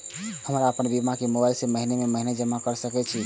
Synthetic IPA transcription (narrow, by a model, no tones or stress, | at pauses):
həmɾaəpənbimakemobajlseməɦinememəɦined͡ʒəmakəɾsəkɛt͡ʃʰi